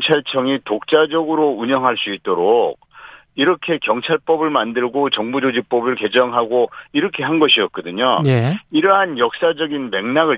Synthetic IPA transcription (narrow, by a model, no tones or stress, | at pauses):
t͡ɕʰaɭt͡ɕʰʌŋitok̚t͡ɕ͈ad͡ʑʌɡɯɾouɲʌŋɦaɭs͈uit̚t͈oɾok̚ | iɾʌkʰe̞kjʌŋt͡ɕʰaɭp͈ʌbɯɭmandɯɭɡot͡ɕʌŋbud͡ʑod͡ʑik̚p͈ʌbɯɭke̞d͡ʑʌŋɦaɡoiɾʌkʰe̞ɦanɡʌɕʰiʌt̚k͈ʌdɯɲoiɾʌɦanjʌk̚s͈ad͡ʑʌɡinme̞ŋnaɡɯ